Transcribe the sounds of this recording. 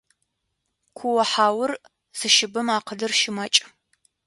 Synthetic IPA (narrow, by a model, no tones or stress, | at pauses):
kʷʰʊwɐħaːwʊr | z̥ɨʃɪbɨmaːqədɨrʃɪmɐt͡ʃʼ